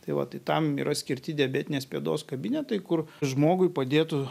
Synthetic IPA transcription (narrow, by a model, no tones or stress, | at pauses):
t̪ɐɪʋɐ̰t̪ɐɪt̪ɐmḭːɾʔɐsʲkʲɪɾʲt̪ʲɪd̪ʲɛbʲæːt̪ʲɪnʲeːspʲeɛːd̪o̰ːskɐbʲɪnʲɛt̪ɐɪkʊrʒmoːɡʊɪpɐd̪ʲeːt̪ʊ